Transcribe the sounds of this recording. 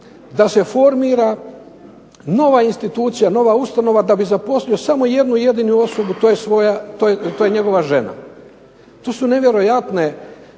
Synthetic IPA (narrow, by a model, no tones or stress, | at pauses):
d̪ase̞fo̞ɾmiːɾa | no̞ʋainst̪it̪uːt̪sijano̞ʋaust̪ano̞ʋad̪abizapo̞slio̞samo̞je̞d̪nuje̞d̪iːnuo̞so̞but̪ojesʋojat̪ot̪ojeɲe̞ɡo̞ʋaʒe̞na̰ | t̪o̞ːsune̞ʋje̞ɾo̞jat̪ne̞